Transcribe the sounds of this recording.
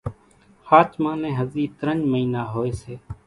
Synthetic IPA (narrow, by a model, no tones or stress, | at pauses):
haːt͡ʃmãːnẽːɦəziːt̪əɾəɲd͡ʒməiːnaːɦoːeːseː